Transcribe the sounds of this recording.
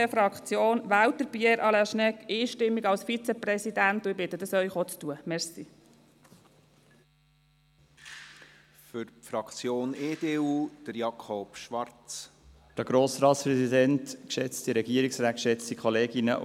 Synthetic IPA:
efɾɑkt͡sjoːnʋæːwtəɾb̥jɛɾʔɑlæʃnɛkiːʃtɪmːiɡɑlsfit͡sɛprɛsid̪æntʊɪbɪtːəd̪əsœʏχot͡stuəmɛɾsi | fʏɾpfɾɑkt͡sjoːneːdeːuːd̥əɾjɑkʰɔpʃʋɑɾt͡s | d̥əɡ̥ɾoːsɾɑːtspɾɛsidɛntkʃɛt͡stiɾɛɡiəɾiksɾaːkʃɛt͡stikʰɔleːɡɪnə̰

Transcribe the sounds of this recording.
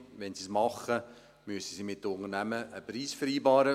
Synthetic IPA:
ʋɛnsismɑχːə | myəsəsimɪt̚dəʊnərnæməʔːpɾiːsfəɾiːbɑːɾə

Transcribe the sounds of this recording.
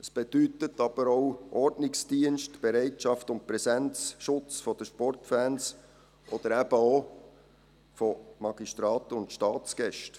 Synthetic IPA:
əsb̥ed̥̪ytətɑb̥əɾoʊʔɔɾdnɪksd̥iənʃtb̥eɾɛɪtʃɑftʊnt̚pɾɛsɛnt͡sʃʊt͡sfɔd̥̪əʃpɔrtfæːns | ʔɔd̥̪əɾæb̥əo | fɔmɑɡ̥istɾɑːt̪əʊntʃtɑːt͡sɡ̥ɛʃt

